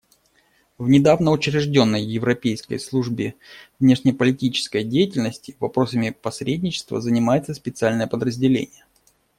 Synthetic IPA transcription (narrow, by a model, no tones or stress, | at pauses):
vnʲɪd̪avnəʊt͡ɕɾʲɪʐdʲo̞nːəjːɪvɾɐpʲejskə̰jslˠuʐbʲɪvnʲe̞ʂnʲɪjpəlʲɪtʲit͡ɕɪ̥skəjdʲejɪtʲɪlʲnəsʲtʲɪvɐpɾo̞səmʲɪpɐsɾʲedʲnʲɪt͡ɕɪ̥st̪və̰zənʲɪmajɪt̪səspʲɪt̪sɨalʲnəjəpəd̪ɾəzʲdʲɪlʲḛnʲɪjə